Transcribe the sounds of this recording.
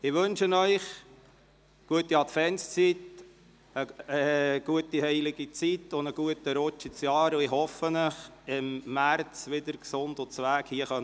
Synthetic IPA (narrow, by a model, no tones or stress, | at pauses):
ɪʋɵnʃənœʏχ | ɡ̥uətːiɑt̪fɛnst͡sit̪ | əəɡ̥uətihɛɪlɪɡ̥it͡sitʊnd̪əɡ̥uətəɾɔt͡ʃit͡sjɑːɾʊɪhɔfənəχɪmːært͡sʋɪd̪əɾksʊndʊt͡sʋæːkhiəχœn